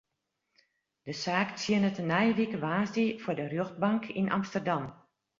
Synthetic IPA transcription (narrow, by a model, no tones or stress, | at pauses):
d̥əsaːkt͡siənətənɛjəʋikəʋaːsdifʊdərjoxd̚bɑŋkʰinʔɑ̰mstərdɑm